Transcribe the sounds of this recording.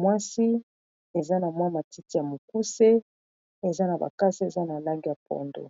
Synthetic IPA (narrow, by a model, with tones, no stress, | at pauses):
mwa˦si˦ | e˨za˦na˨mwa˦ma˨ti˦ti˦ja˨mo˨ku˦se˦ | e˨za˦na˨ba̰˨ka˦si˦e˨za˦na˨la˦ŋɡi˦ja˨pɔ̰˨ndo̰˨